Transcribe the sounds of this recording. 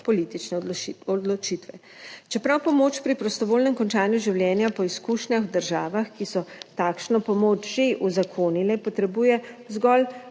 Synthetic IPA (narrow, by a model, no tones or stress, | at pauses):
pɔlit̪it͡ʃnɛɔd̪lɔt͡ʃit̪ʋɛ | t͡ʃɛpɾawpɔmoːt͡ʃpɾipɾɔst̪ɔʋoːlnɛmkɔnt͡ʃaːnjuʒiwljɛːnjapɔiskuːʃnjaxd̪əɾʒaːʋaxkisɔt̪aːkʃnɔpɔmoːt͡ʃʒeʔuzakʰoːnilɛpɔt̪ɾɛbuːjɛzɡɔl